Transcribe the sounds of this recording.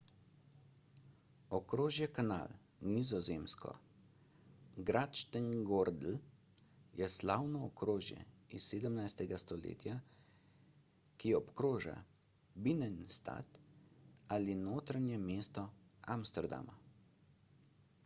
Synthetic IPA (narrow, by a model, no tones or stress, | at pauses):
ɔkɾoːʒjɛkana̰ːl | nizɔzeːmskɔ̰ | ɡɾaːt̪ʃt̪əŋɡoɾd̪l̩ | jɛslaːwnɔːkɾoːʒjɛ̰ | isːeːd̪əmnajst̪ɛɡast̪ɔlḛːt̪ja | kiɔpkɾoːʒa̰ | binɛnst̪a̰t̪ | alinoːt̪ɾanjɛmeːst̪ɔamst̪ɛɾd̪a̰ma̰